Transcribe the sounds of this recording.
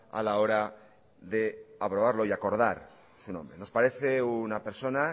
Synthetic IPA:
a̰lao̞ɾa | ðe̞apɾoβ̞aɾlo̞iako̞ɾð̞aɾ | sunõ̞mbɾeno̞spaɾe̞θe̞unapeɾso̞na

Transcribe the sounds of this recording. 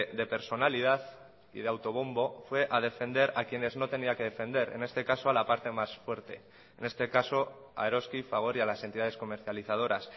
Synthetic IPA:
ðe̞pe̞ɾso̞nalið̞aθ | ḭðeawt̪o̞β̞o̞mbo̞fwe̞ʔað̞e̞fe̞nd̪e̞ɾakje̞nezno̞t̪e̞niake̞ðe̞fẽ̞nd̪e̞ɾe̞̰ne̞st̪e̞kaso̞alapaɾt̪e̞masfwe̞ɾt̪e̞ː | ne̞st̪e̞kaso̞ | a̰eɾo̞skifaɣ̞o̞ɾialasent̪iðað̞e̞sko̞me̞ɾθjaliθað̞o̞ɾas

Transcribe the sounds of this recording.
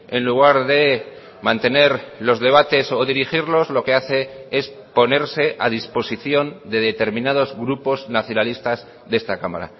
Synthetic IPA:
e̞nluɣ̞aɾðe̞ | mãnt̪e̞ne̞ɾlo̞zðe̞β̞at̪e̞so̞ðiɾixiɾlo̞zlo̞ke̞aθe̞e̞s | po̞ne̞ɾse̞ʔaðispo̞siθjo̞nd̪e̞ðe̞t̪e̞ɾmĩnað̞o̞zɣɾupo̞znaθjonalist̪az | ðe̞st̪akama̰ɾa̰

